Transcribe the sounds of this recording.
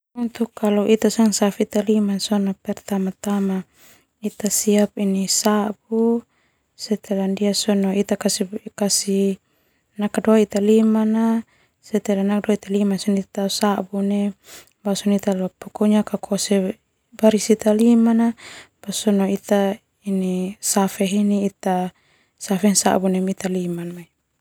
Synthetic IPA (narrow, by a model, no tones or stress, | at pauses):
unt̪ukːalɔʔit̪asaŋsafit̪alimasɔnapɛrt̪amat̪ama | it̪asiap̚inisabu | sɛt̪ɛlandiasɔnoit̪akasikasi | nakadoait̪alimana | sɛt̪ɛlanak̚doait̪alimansɔnit̪asabune | basɔnit̪alapɔkɔɲakakʰɔsɛ | baɾisit̪alimanab̥asɔnoit̪a | inisafɛɦiniːt̪a | safɛnsa̰bunɛmit̪alimanmai